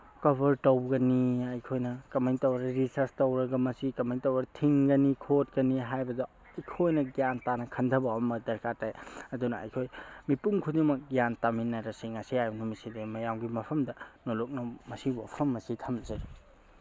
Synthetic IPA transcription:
kɐbɐɾtɐwɡɐniɐjkʰojnɐkɐmajntɐwɐɡɐɾisɐɾstɐwɾɐɡɐmɐsikɐmajntɐwɾɐɐtʰiŋɡɐnikʰot̚kɐniɦajbɐdɐ | ɐjkʰojnɐɡijantanɐkʰɐndʰʱɐbɐmɐdɐɾkatajɐdunɐɐ̰jkʰojmipuŋkʰudiŋmɐk̚ɡjantaminːɐɾɐsiŋɐsiajnɐmisidemɐjawɡimɐpʰɐmdɐnolok̚nɐmɐsibopʰɐmːɐsitʰɐmzɐɾi

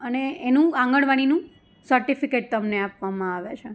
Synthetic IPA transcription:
əneːnũãŋɡəɳʋaɽ̃inũ | səɾʈifikeʈ̚t̪əmneapʋamãaʋet͡ʃʰe

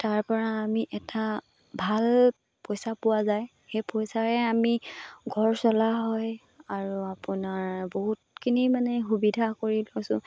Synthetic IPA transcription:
taɹpɔɹaːmiʔɛtʰa | bʱal | pɔjsapʊwazaj | xejpɔjsaɹɛamiɡʱɔɹsɔlaɦɔj | aɹuapʊnaɹboɦutkʰinimanɛxubidʱakoɹilɔsʊ̃

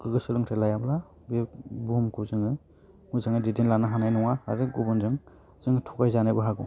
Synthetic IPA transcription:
ɡɯɡɯsɯlɯŋtʰelajabla | bebumkʰuzɯŋɯ | mujzaŋɯdidenlanaɦanajnɔŋaːɾɯɡubɯnzɯŋ | z̥ɯŋtʰɔkajzanajbɯɦaɡɔ

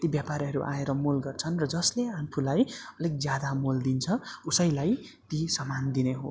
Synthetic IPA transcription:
t̪ibjapaɾɦʌɾuʔa̰eɾʌmulɡʌrt͡sʰʌnrʌd͡zʌsleapʰulajʌlek̚d͡zjad̪amuld̪int͡sʰʌusʌjlaj | t̪isʌmand̪ineɦo̰

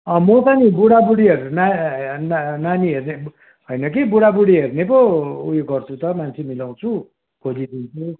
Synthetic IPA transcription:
ʌmʌt͡sʌnibuɽabuɽiʌɾunannaniɦerne | ɦojnʌkibuɽabuɽiɦernepoujoɡʌrt͡sʰut̪ʌmant͡sʰimilaw̃t͡sʰu | kʰod͡zid̪int͡sʰu

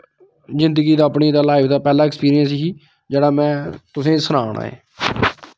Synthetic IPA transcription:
zɪ̃nd̪əɡiːd̪aːəpɳiːd̪aːlaːɪpd̪aːpɛːlaːɪkspiːɾiənsɦiː | d͡ʒeːɽaːmɛ̃ːt̪ʊsẽːsənaːɳʔa̰ːḛː

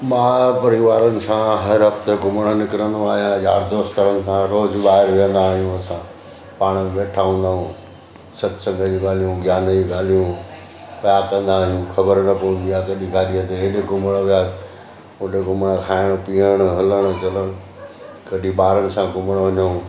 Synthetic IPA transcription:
mãːpɐɾɪʋaːɾənɪ̆sãɦɐɾɦɐft̪eɡʊməɽ̃ənɪkɾə̃nd̪oaːɦijãja̰ːɾd̪oːst̪ɐɾənɪ̆sãɾoːzɓaːɦɪɾʋjə̃nd̪aːɦijũɐsã | paːɽ̃əmẽɓeːʈʰaːʋə̃ːnd̪aːɦũ | sɐt̪sɐ̃ŋɡʱəd͡ʑuɡaːl̤ijũɡʱjaːnd͡ʑiɠaːl̤ijũ | pɐjakɐ̃nd̪aːɦijũkʰɐbəɾnɐpoũn̆d̪ijakɐɗĩɡʱaːɗijət̪eɪɗeɡʊməɽ̃ʋɪja | ʊ̃ɗeɡʊməɽ̃əkʰaːɪɽ̃piːəɽ̃ɦɐləɽ̃̆t͡ɕɐləɽ̃ | kɐɗibaːɾənɪ̆sãɡʊməɽ̃ʋɐɲəɦũ

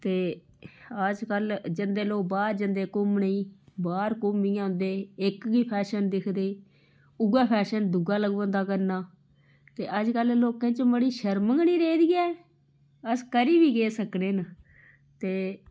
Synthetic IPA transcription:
t̪eː | əd͡ʒkəld͡ʒɪnd̪eːloːbaːɾd͡ʒənd̪eːkʊmnəiːbaːɾkʊmːĩːãːnd̪eːɪkɡiːpʰɛːʃənd̪ɪkʰd̪eː | ʊɡaːpʰɛːʃənd̪ʊɡaːləɡʋə̃ːnd̪aːkəɾnaː | t̪eːʔəd͡ʒkəlloːkẽːt͡ʃməɽiːʃəɾməŋɡniːɾeːd̪iːaː | əskəɾiːʋiːɡeːsəkneːnə | t̪eː

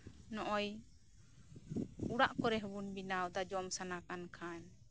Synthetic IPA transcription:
nɔʔɔj | uɽaʔkɔɾɛɦbunbinawd̪ad͡ʒɔmsanakankʰaɲ

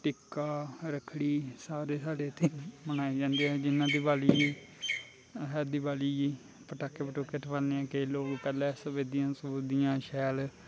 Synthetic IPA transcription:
ʈɪkːaːɾəkʰɽiːsaːɾeːsaːɽeːt̪ʰeːmənaːiːd͡ʒãːnd̪eːɦɛːd͡ʒɪnːãːd̪iːbaːliːiː | ɦɛːd̪iːbaːliːiː | pəʈaːkːeːpəʈoːkːeːʈʰəʋaːneːɛ̃ːkeloːɡpɛːlɛ̃ːsəbeːd̪ɪjãːsəd̪ijãːʃɛːl

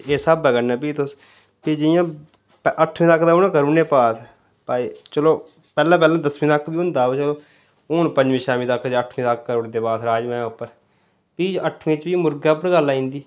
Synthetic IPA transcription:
eːsabɛːkənɛːpiːt̪ʊs | pid͡ʒɪjãː | pʔəʈʰmĩːt̪əkːd̪aːʊnãːkəɾuːɽneːpaːt̪ʰ | paːit͡ʃəloː | pɛːlãːp̬ɛːlãːd̪əsmɪ̃t̪əkːbiːɦʊ̃nd̪aːot͡ʃəloː | ʊːnpəɲd͡ʒmĩːʃaːmĩːt̪əkd͡ʒːəʈʰmĩːt̪əkːəɾoːɽd̪eːpaːt̪ɾaːd͡ʒmɛ̃ːʊpːəɾ | piːəʈʰmĩt͡ʃbiːmʊɾɡaːp̬əɽɡəlaːĩːnd̪iː

